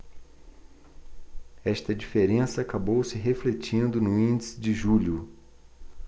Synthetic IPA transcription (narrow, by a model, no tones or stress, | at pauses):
ɛʃt̪ɐd͡ʒifeɾẽsɐːkabowsɪɦeflet͡ʃĩnd̪ʊnʊĩnd͡ʒisɪd͡ʒɪʒuʎʊ